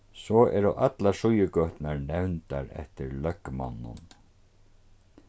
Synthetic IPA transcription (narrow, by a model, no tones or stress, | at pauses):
sɔɛ̰ɾʊʔat̪laʂʊjəkœht̪naɹnɛwnt̪aɾɛ̰ht̪ɪɾlœkma̰nːʊ̰n